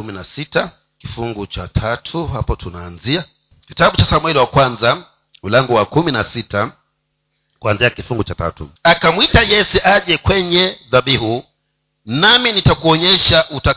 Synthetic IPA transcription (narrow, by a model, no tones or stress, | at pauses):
uminasita | kifuŋɡut͡ʃatʰatʰuɦapɔtʰunaːnzia | kitaɓut͡ʃasamwɛliwakwanza | ulaŋɡɔwakuminasita | kuanziakifuŋɡut͡ʃata̰tṵakamwitajɛsɛʔaʄɛkwɛɲɛðaɓihu | naminitakuɔɲɛʃaʔuta